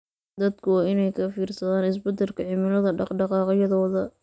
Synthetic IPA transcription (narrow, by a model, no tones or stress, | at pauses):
d̪ɐd̪kʰʊwɑːɪnɛjkʰɐfiːrsɐðaːnɪs̬bɐd̪ɐlkʰɐʕɪmɪlɐðɐɖɑqɖɑqɑːqjɐðɔːðɐ